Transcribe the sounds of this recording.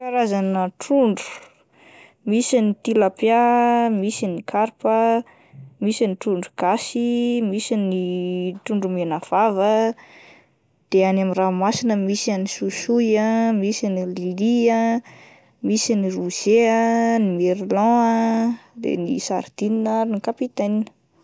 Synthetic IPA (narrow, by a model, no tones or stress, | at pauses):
kaɾazanəʈ͡ʂuɳɖ͡ʐu̥ | misinit̪ilapjamisinikʰaɾpə | misiniʈ͡ʂuɳɖ͡ʐuɡ̥asimisiniʈ͡ʂuɳɖ͡ʐumenav̥avə | d̪̥eanamiramasinəmisanisusujəmisinililiə | misiniruz̥eənimeɾlɔ̃əd̪ḛnisaɾd̪ininaɾnikapit̪aninə̥